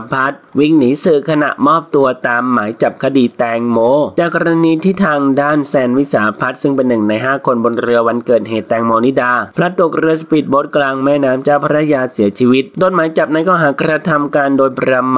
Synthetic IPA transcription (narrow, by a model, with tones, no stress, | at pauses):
pʰa˦˥t̪̚wi˧˩ŋniː˩˦sɯ˨˩kʰa˧na̰˨˩ʔmɔː˥˩p̚t̪u˧ɐt̪aː˧mːaː˩˦jt͡ɕa˨˩p̚kʰa˧di˨˩t̪ɛː˧ŋmoː˧t͡ɕaː˨˩kːɔ˧ɾa˧niː˧t̪ʰiː˥˩t̪ʰaː˧ŋdaː˥˩nsɛː˧nwi˦˥saː˩˦pʰa˦˥t̪̚sɯ˥˩ŋpe˧nːɯ˨˩ŋna˧jɦaː˥˩kʰo˧nbo˧nɾɯ˧ɐwa˧nkɤː˨˩t̪̚ɦeː˨˩t̪ːɛː˧ŋmoː˧ni˦˥daː˧pʰɾa˦˥t̪ːu˨˩k̚ɾɯ˧ɐspi˨˩t̪̚bo˦˥t̪̚klaː˧ŋmɛː˥˩naː˦˥mt͡ɕaː˥˩wpʰa˧ɾa˦˥˧jaː˧si˩˦ɐt͡ɕʰiː˧wi˦˥t̪̚do˧nmaː˨˩˦jt͡ɕa˨˩p̚na˧˥jkɔː˥˩ɦaː˩˦kɾa˧t̪ʰa˧mkaː˧ndoː˧jpʰɾa˧m